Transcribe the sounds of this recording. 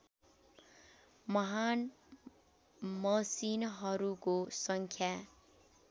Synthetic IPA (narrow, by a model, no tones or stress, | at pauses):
mʌɦan | mʌsinɦʌɾukosʌŋkʰja